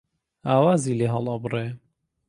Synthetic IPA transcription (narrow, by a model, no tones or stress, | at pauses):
aːwaːzileːɦɑlˠɑbɨre